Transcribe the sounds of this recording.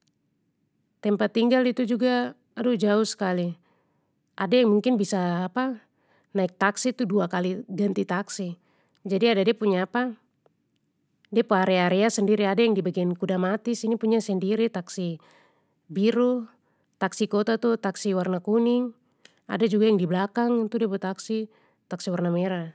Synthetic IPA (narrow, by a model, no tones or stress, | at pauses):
t̪ɛmpat̪ːiŋɡalit̪ud͡ʒuɡaː | dud͡ʒausə̥kali | ʔadajaŋmuŋkɪnbisaːpa | naɪk̚t̪aksit̪uduakaliɡant̪it̪aksi | d͡ʒadiadadiapuɲaːpa | diapɔaɾɛaɾɛasəndiɾiadajaŋdibaɡiankudamat̪isinipuɲasɛndiɾit̪aksi | biɾu | t̪aksikɔt̪at̪ut̪aksiwarnakuniŋ | a̰dad͡ʒuɡajaŋdiblakaŋt̪udɛbut̪aksi | t̪aksiwarnamɛɾa